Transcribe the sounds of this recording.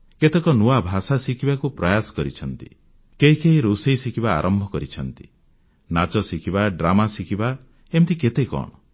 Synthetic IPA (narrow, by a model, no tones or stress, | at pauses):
ket̪ekɔnuabʱasasikʰibakupɾɔjasɔ̥kɔɾit͡ʃʰɔnt̪i̥̰ | keɦikeɦiɾosejsikʰiba̰ːɾʔɔmbʱɔkɔɾit͡ʃʰɔnt̪i̥ | nat͡ʃɔsikʰibaɖɾamasikʰiba | emt̪iket̪ekɔ̰ɽ̃ɔ